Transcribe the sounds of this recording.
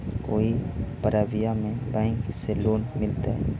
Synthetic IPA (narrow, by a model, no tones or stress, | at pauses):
koːipəɾaːʋijamẽbɛ̃ːŋkseloːnmɪlt̪aɦɛ̰ː